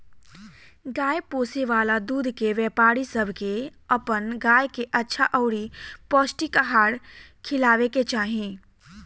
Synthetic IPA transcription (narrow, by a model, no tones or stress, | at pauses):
ɡaːjpoːseʋaːlad̪uːd̪keʋɛːpaːɾisəbʱkeɐpənɡaːjkeʔɐtːʃʰaʔɔʊɾipɔːsʈikaɦaːɽ | kʰɪlaːʋeket͡ʃaːɦiẽː